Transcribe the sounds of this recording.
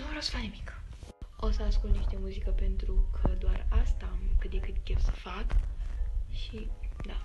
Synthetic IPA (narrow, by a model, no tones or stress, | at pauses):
nuəɾosə̥faknimik | o̞səaskult̪niʃt̪e̞muzikəpe̞nt̪ɾukʰəd̪oarast̪amkɨt̪d̪ekɨt̪kʲewsə̥fak | ʃid̪a